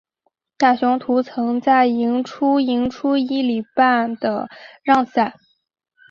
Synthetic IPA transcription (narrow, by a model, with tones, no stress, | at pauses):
t̪a˥˩ɕʊ˧˥ŋt̪ʰu˧˥t͡sʰɤ˧˥ŋt͡sa˥˩ɪi˧˥ŋʈ͡ʂʰu˥i˧˥ŋʈ͡ʂʰu˥i˥li˨˩pa˥˩nd̪ə˩ɻɑ˥˧ŋsa˨˩˦n